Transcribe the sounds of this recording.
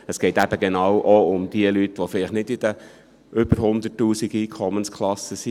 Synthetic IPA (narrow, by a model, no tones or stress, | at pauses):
əsɡ̥ɛɪt̪æb̥əɡenɑːwʔoʊmd̥̪iəlytʋofɪlɪχtnɪdɪd̥̪ə | ʔʏb̥əɾɦʊnd̪ətːuːsiɡ̥iːkʰɔmənskʰlɑsːəsi